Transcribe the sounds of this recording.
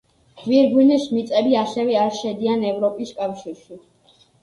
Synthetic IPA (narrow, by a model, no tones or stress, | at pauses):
viɾɡunɛʃmit̪sʼɛbiasɛvɛaɾʃɛd̪ianɛvɾɔpʼiskʼafʃiɾʃi